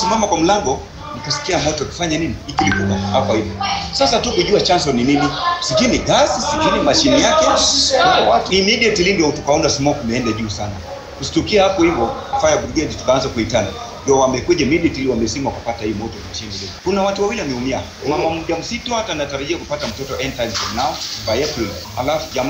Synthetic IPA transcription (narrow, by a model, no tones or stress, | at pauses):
simamakwam̩laŋɡɔ | nikasi̥kiamɔtɔaki̥faɲaniniikilikunahapɔhivɔsasatukuʄuat͡ʃansɔnininisikiniɡasisikinimaʃinijakɛnaimiɗiatilindiautukaɔndasimɔkumɛɛndaʄuːsana | kusi̥tukiahapɔhivɔfajabuɾɡɛditu̥kaanzakuitana | ɔwamɛkwɛʄɛmiɗiatiliwamɛsimakupatahijɔmɔtɔmaʃiniliɔkunawatuwawiliamɛumia | mamamuʄam̩sitɔhatannataɾaʄiakupatam̩tɔtɔʔɛntajmsɔmnaɔvajɛpil | halafuʄam